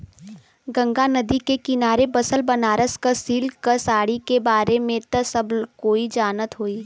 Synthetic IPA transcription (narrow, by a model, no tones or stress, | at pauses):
ɡɐ̃ŋɡanɐd̪ikekɪnaːɾebɐsəlbɐnaːɾəskəsiːlkəsaːɽikebaːɾemẽt̪əsɐbkoːid͡ʒaːnət̪ɦoːiː